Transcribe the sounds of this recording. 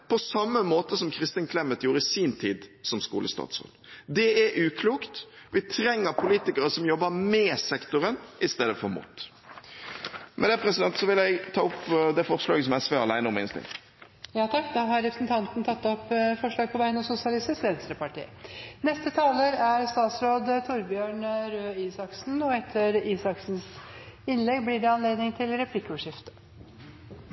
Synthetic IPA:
pʰɔsɑmːəmoːt̪əsɔmkʰɾɪst̪ənkʰlɛmːət̪juːɾəɪsiːnt̪ʰiːd̪sɔmskṵːləst̪ɑ̰ːt̪so̰ːd̪d̪ɛæɾʔʉːkʰluːkt̪ʋɪt̪ʰɾɛŋːəɾpʰʊliːt̪ɪkəɾəsɔmjɔbːəmɛsɛkt̪ʊɾənʔɪst̪eːd̪əfɔɾmṵːt̪ː | mɛd̪ɛpʰɾɛsɪd̪ɛnt̪sɔʋɪlæɪɡt̪ʰɑːʊpd̪ɛfɔʁslɑ̰ːɡəsɔmæɪsʋøːɾɑlæɪnəɔmɪ̰nst̪ɪ̰ŋ | jɑːt̪ʰɑkːd̪ɑɦɑɾɾɛpʰɾə̥snt̪ʰɑnt̪nt̪ʰɑt̪ːɔpːfɔʂɭɑːɡ̚pʰɔbæɪənɔsʊsɪɑlɪst̪ɪsʋɛnst̪ɾəpɑʈḭːnɛst̪ət̪ʰɑːləɾæɾst̪ɑːt̪sɾoːd̪t̪ʰʊɾbjøːɳɾøːiːsɑksn̩ɔɛt̪ʰːəɾiːsɑksn̩sɪnlɛɡblɪɖɛɑnleːd̪nɪŋt̪ʰɪlɾɛpʰlɪkːəɔʂɪft̪ə̥

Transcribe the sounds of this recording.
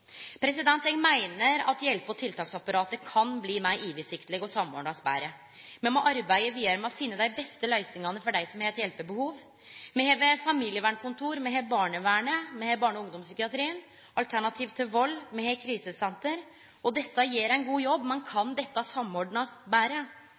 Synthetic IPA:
pʰɾɛsɪd̪ɛnt̪ɛŋmæɪnəɾɑt̪jɛlpəɔt̪ʰɪlt̪ʰɑːksɑpːɑɾɑːt̪əkʰɑnbliːmæɪʔiːʋɪsɪkt̪lɛɡɔsɑmo̰ːɳɑsbæ̰ːɾə | mɛnmɔʔɑɾbæɪəɾʋiːɑɾəmɛɔfɪnːəd̪æɪbɛst̪əlæɪsɪŋɑnːəfɔɖæɪsɔmhɛːt̪jɛlpəbəhuːʋ | mɛheːʋəfɑmiːlɪjəʋæːɳkʊnt̪ʰuːɾmɛɦebɑːɳəʋæːɳəmɛhebɑːɳɔʊŋd̪ɔmsʏkɪɑt̪ɾiːən | ʔɑlt̪ʰæɳɑt̪ʰiːʋt̪ʰɪlʋɔlːmɛhɛkʰɾiːsəsɛnt̪əɾ | ɔd̪ɛt̪ːəjeːɾæɪnɡuːjɔbːmɛnkʰɑnd̪ɛt̪ːɑsɑmːoːɖɳɑsbæːɾə

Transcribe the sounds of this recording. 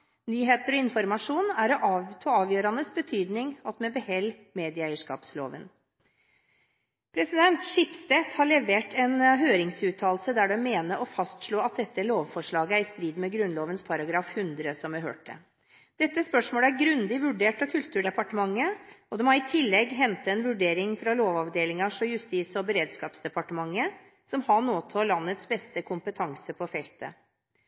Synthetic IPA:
nyːɦeːt̪əɾɔɪnfɔɾmɑʂuːnæɾɔʔɑt̪ʰoːɑːʋjøːɾɑnəsbət̪ʰyːd̪nɪŋɑt̪mɛbəhɛlmeːd̪ɪəæɪəʂkɑ̰ːpslo̰ːʋə̰n | pʰɾɛsɪd̪ɛnt̪ʂɪpst̪ɛt̪hɑɭɛʋeːʈʰɛnɦøːɾɪŋsʉːt̪ʰɑːlsəd̪æɖɛmeːnəʔɔfɑst̪ʂɭoːɑt̪̚d̪ɛt̪ːəloːʋfɔʂɭɑːɡəæɾɪst̪ɾiːd̪mɛɡɾʉnloːʋənspʰɑɾɑɡɾɑːfhʉnd̪ɾəsɔmʋɛɦø̰ːʈ̚d̪ɛ̰ | d̪̥ɛt̪ːəspœʂmoːləæɾɡɾʉnd̪ɪʋʉɖeːʈɑkʰʉlt̪ʉːɖɛpɑʈəmɑŋːəɔd̪ɛmɑɾɪt̪ʰɪlːɛɡːɦɛnt̪ɑɛnʋʉɖeːɾɪŋfɾɑloːʋɑʋd̪eːlɪŋɑʂɔjʉst̪iːsɔbəɾeːd̪skɑːpsd̪ɛpɑʈəmɑŋːə | sɔmhɑɳoːt̪ʰːlɑnːət̪sbɛst̪əkʰʊmpət̪ʰɑŋsəpʰɔfɛlt̪ə̰

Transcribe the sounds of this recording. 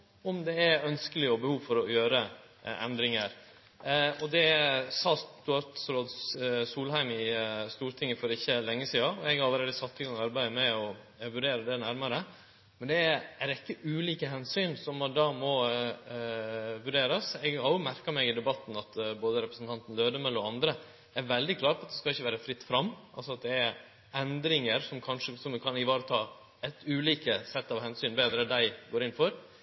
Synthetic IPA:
ɔmd̪ɛæœnskəlɪɔbəhuːʋfɔɾɔjøːɾə | ɛ̰nd̪ɾɪŋəɾ | ɔd̪ɛsɑːt̪ʊɑɾt̪sɾoːd̪suːlhæɪmɪst̪uːɾt̪ʰɪŋːəfɔɾɪçːəlɛŋːəsiːɑɔɛɡɾɑlːəɾeːd̪əsɑt̪ːɪɡɑŋɑɾbæɪmɛɔ | ʋʉɖeːɾəd̪ɛnæɾmɑɾə | mɛnd̪ɛæɾɪkːəʔʉːliːkəɦɛnsyːnsɔmɑd̪ɑːmɔ | ʋʉɖeːɾɑsɛɡhɑɾjʊmæɾkɑmɛɡɪd̪ɛbɑt̪ːn̩ɑt̪boːd̪əɾɛpɾəsn̩t̪ɑnt̪ən̩løːd̪əmɛlɔɑnd̪ɾə | ɛæɾʋɛld̪ɪkʰlɑːɾpɔɑt̪̚d̪ɛskɑɪçːəʋæːɾəfɾɪt̪ːfɾɑmːʔɑ̰lsɔɑt̪̚d̪ɛæɾ | ɛnd̪ɾɪŋəɾsɔmkʰɑnʂəsɔmd̪kʰɑnɪʋɑːɾət̪ʰɑː | ɛt̪ʉːliːkəsɛt̪ːɑʋhɛnsyːnbeːd̪ɾənd̪æɪɡoːɾɪnfɔɾ

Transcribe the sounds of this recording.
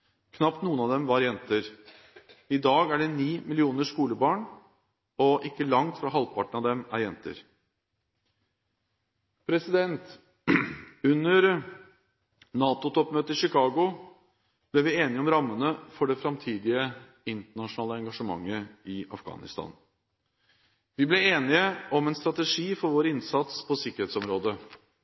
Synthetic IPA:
kʰnɑpt̪nuːənɑd̪ɛmʋɑɾjɛnt̪əɾ | ɪd̪ɑːɡæɖɛniːmɪlɪuːnəʂkuːləbɑːɳ | ɔʔɪkːəlɑŋt̪fɾɑɦɑlpʰɑʈəɳɑʋd̪ɛmæɾjɛnt̪ə̰ɾ | pʰɾɛsɪd̪ɛnt̪ | ʉnːəɾ | nɑːt̪ʊt̪ʰɔpmøːt̪əʂɪkʰɑːɡʊ | b̥lɛʋɪeːnɪəɔmɾɑmːənəfɔɖɛfɾɑmt̪ʰiːd̪ɪə | ɪnt̪əɳɑʂʊnɑːləɛŋɡɑʂəmɑ̰ŋːəɪɑ̰fɡɑ̰ːnɪ̰st̪ɑ̰ːn | ʋɪblɛeːnɪəɔmɛnst̪ɾɑt̪əʂiːfɔɾʋoːɾəɪnsɑt̪spʰɔsɪkəɾheːt̪sɔmɾoːd̪ə

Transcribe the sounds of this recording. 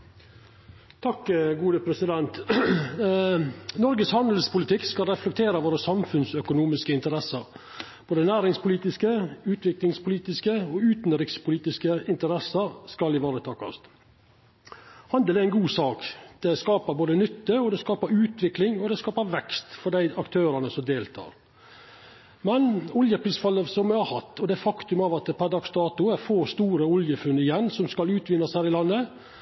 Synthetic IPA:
t̪ʰɑkɡuːd̪əpʰɾɛsɪd̪ɛnt̪ | nɔɾɡəshɑnd̪əl̩spʊlɪt̪ʰɪkskɑlɾɛflɛk̚t̪ʰeːɾəʋoːɾəsɑmfʉnsœkʊnuːmɪskəɪnt̪əɾɛsəɾ | b̥oːd̪ənæːɾɪŋspʰʊliːt̪ɪskəʉːt̪ʋɪklɪŋspʊliːt̪ɪskəɔʉːt̪n̩ɾɪkspʊliːt̪ɪskəɪnt̪əɾɛsəɾskɑlɪʋɑːɾət̪ʰɑːkɑ̰st̪ | hɑnd̪əlæɾɪnɡuːsɑːkd̪̥ɛskɑːpəɾboːd̪ənʏt̪ːəɔd̪ɛskɑːpəɾʉːt̪ʰʋɪklɪŋɔd̪ɛskɑːpəɾʋɛkst̪fɔɖ̪æɪɑkt̪ʰøːɾənəsɔmd̪eːlt̪ʰɑ̰ːɾ | mɛnʊljəpʰɾiːsfɑlːəsɔmɛhɑɾhɑt̪ːɔd̪ɛfɑkt̪ʉmɑʋɑt̪pʰɑd̪ɑksd̪ɑːt̪ʊæɾfoːst̪uːɾəʊljəfʉnːɪjɛnːsɔmskɑlʉːt̪ʋɪnːɑshæːɾɪlɑnːə

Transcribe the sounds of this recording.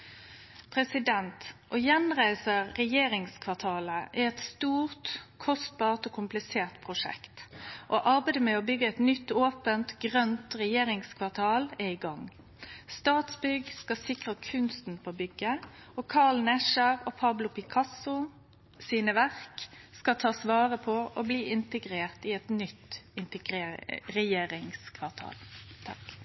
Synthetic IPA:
pʰʁɛsɪd̪ɛnt̪ʔoːjɛnʁæɪsəʁːɛjeːʁɪŋskʰʋɑʁt̪ʰɑːləʔɛɛt̪st̪uːʁt̪kʰɔst̪̚bɑːʁt̪oːkʰʊmplɪseːʁt̪pʰʁʊʂɛ̰kt̪ʔoʔɑʁbæɪd̪əmɛoːbʏɡːəɛt̪nʏt̪ːoːpənt̪ɡʁœnt̪ʁɛjeːʁɪŋskʰʋɑʁt̪ʰɑːlɛiɡɑŋ | st̪ɑːt̪sbʏɡskɑsɪkʁəkʰʉnst̪n̩pʰobʏɡːəɔkʰɑlnɛʃəʁɔpʰɑblʊpɪkʰɑsʊ | siːnəʋæʁkskɑt̪ʰɑːsʋɑːʁəpʰɔʔɔbliːɪnt̪əɡʁeːʁt̪ɪɛt̪nʏt̪ːɪnt̪əɡeʁɛjeːɾɪŋskʰʋɑʁt̪ʰɑ̰ːlt̪ʰɑk

